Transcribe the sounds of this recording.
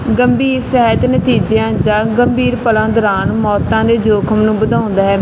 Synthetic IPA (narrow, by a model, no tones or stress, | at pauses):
ɡəmbiːɾsəɦːjt̪nət̪iːd͡ʒejãːd͡ʒaːɡəmbiːɾpəlãːd̪ɔːɾaːnmɔːt̪ãːd̪eːd͡ʒoːkʰəmnũːbəd̪aːʊ̃nd̪aːɦɛː